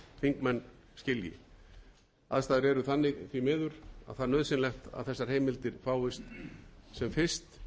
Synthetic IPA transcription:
θiŋkmɛnː | scɪljɪ̰ | a̰ðst̪aːðɪɾɛɾʏθanːɪɣθvimɪːðʏɾa̰ðθaðnœðsɪnlɛxt̪a̰ðθɛsːaɾ̥heːjmɪlt̪ɪɾ̥faːwɪst̪sɛmfɪr̥st̪

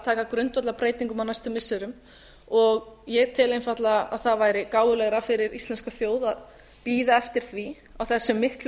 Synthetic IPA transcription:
t̪ʰaːkakɾʏnt̪vat̪lapɾeːjt̪iŋkʏmanːast̪ɪlmɪsːɪɾʏm | ɔɣjɛɣt̪ʰɪlejnfat̪laa̰ðθaðvaːjɾɪkaːwʏlɛɣɾafɪɾɪɾist̪ɛnskaθjoːwðað | piːðaɛft̪ɪɾ̥θvi | awθɛsːɛmːɪhkl

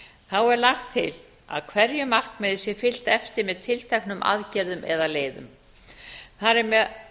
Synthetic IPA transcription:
θawɛɾlaxt̪ʰːɪ̰l | a̰ðkʰvɛɾjʏmar̥knmɛðɪsjɛfɪl̥t̪ɛft̪ɪɾmɛðt̪ʰɪlt̪ʰɛknʏmʔa̰ðcɛɾðʏmʔɛ̰ðaleːjðʏ̰m | θaɾɛɾmɛ

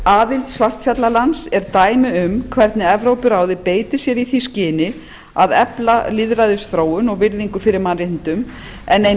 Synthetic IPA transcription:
aːðɪlt̪svar̥t̪fjat̪lalansɛɾt̪aːjmɪʏmkʰvɛɾt̪nɪɛvɾowpʏɾaːwðɪpeːjt̪ɪ̥sjɛɾiθiscɪːnɪ | aðɛplalɪðɾaðɪsθɾoːwʏnɔɣvɪɾðiŋkʏfɪɾɪɾmanrɪhnt̪ʏm | ɛne

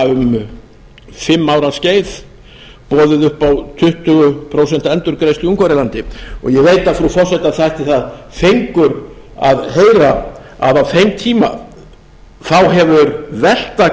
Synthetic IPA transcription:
ʏm | fɪmːawɾasceːjθ | pɔːðɪðʏhpawt̪ʰʏht̪ʏɣʏpʰɾows̬ɛn̥t̪ɛnt̪ʏɾkɾejsliuŋkʰvaɾɪlant̪ɪɔ̰ɣjɛɣveːjt̪aðfɾufɔr̥sɛht̪aθajht̪ɪθað | fejŋkʏɾ | a̰ðɦeːjɾa | a̰ðawθejmt̪ʰiːma̰ | θawɦɛvʏɾvɛl̥t̪a

